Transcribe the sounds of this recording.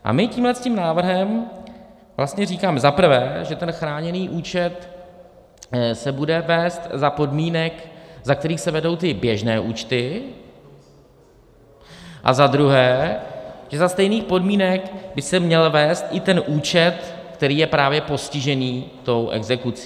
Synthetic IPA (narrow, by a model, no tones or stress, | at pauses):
ʔa̰mɪciːmɦlɛsciːmnaːvr̩ɦɛm | vlast̪ɲɛriːkaːmɛzapr̩vɛːʒɛt̪ɛnxɾaːɲɛniːʔuːt͡ʃɛt̪ | sɛbudɛvɛːst̪zapo̞dmiːnɛkzak̚t̪ɛɾiːxsɛvɛdo̞wt̪ɪbjɛʒnɛːʔuːt͡ʃt̪ɪ | ʔa̰zad̪ɾuɦɛː | ʒɛzast̪ɛjniːxpo̞dmiːnɛkbɪsɛmɲɛlvɛːst̪ʔɪt̪ɛnʔuːt͡ʃɛt̪kt̪ɛɾiːjɛpɾaːvjɛpo̞scɪʒɛniːt̪o̞wʔɛ̰ɡzɛkut͡si̥